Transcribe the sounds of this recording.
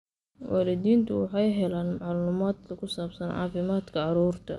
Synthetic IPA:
wɑːlɪd̪iːnt̪ʰʊwɑħɑjɦɛlaːnmɑʕɑlːlʊmaːd̪̚kʰɐkʰʊsaːbsɐnɑ̰ːfɪmaːd̪kʰɐʕɑɾuːrt̪ʰɐ̰

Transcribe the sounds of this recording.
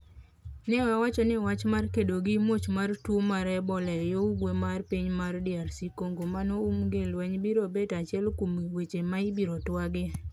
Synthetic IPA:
nɛɛwat͡ʃɔnɪwat͡ʃmarkedoɡɪmot͡ʃmartwomaɾɛbɔlɛjouɡwemarpiɲmardɪaɾsikoŋɡomanoumɡelwɛɲbiɾobetat͡ʃɪɛlkumiwet͡ʃemaibiɾotwaɡɪ

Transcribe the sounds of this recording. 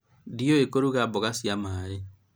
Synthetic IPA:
dioekoɾuɣabɔɣasjamaɾe

